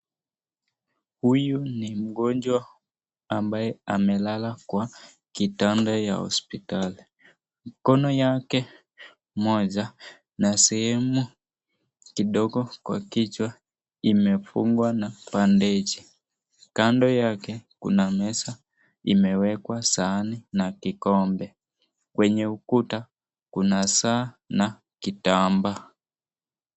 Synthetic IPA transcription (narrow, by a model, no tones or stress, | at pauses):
hujunim̩ɡɔnd͡ʒwa | ambajɛamɛlalakwa | kitandaja̰hɔ̰spitali | m̩kɔnɔjakɛ | mɔʄa | nasɛhɛmu | kiɗɔɡɔkwa̰kit͡ʃwa | imɛfṵŋɡwanapandɛt͡ʃi | kandɔjakɛkṵnamɛsa | imɛwɛkwasaninakikɔmbɛ | kwɛɲɛukuta | kunasaː | na | kitamba